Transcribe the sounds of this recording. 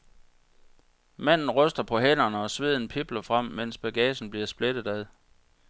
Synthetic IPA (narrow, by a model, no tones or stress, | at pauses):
mæn̰n̩ʁœsd̥ɐpʰɒ̽ɦen̰ɐnəɒ̽sʋe̝ð̰ˠn̩pʰeb̥lɐfʁam̰men̰sb̥æɡ̥ɛːɕn̩b̥liɐsb̥led̥ð̩ˠæð̞ˠ